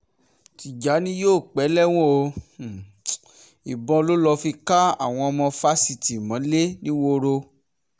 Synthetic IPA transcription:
ti˨d͡ʒa˨˦nĩ˦joː˦˨k͡pɛ˨˦lɛ˦˨w̃ɔ̃˦o˧˨ | i˨bɔ̃˧lo˦lɔ˧fi˧ka˦a̰˦˨w̃ɔ̃˧ɔ˧mɔ̃˧fa˦si˧ti˨mã˨˦le˦nĩ˦wo˦˧ɾo˧

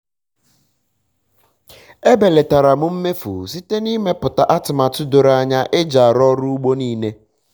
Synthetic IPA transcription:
e˦be˨le˨ta˨ɾa˨mʊ˦m̩˦me˦fṵ˨si˦te˦ni˦me˦pʊ˨ta˨ʔa˦tɪ˨ma˨tʊ˦do˨ɾa˦ɲa˦ʔe˦d͡ʒa˨ɾɔ˦ɾu˦u˦ɡ͡bo˦niː˦ne˦

